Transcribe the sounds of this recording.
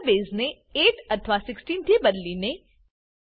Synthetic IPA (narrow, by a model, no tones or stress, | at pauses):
beːzne | eːʈət̪ʰʋasɪksʈiːnt̪ʰeːbəd̪line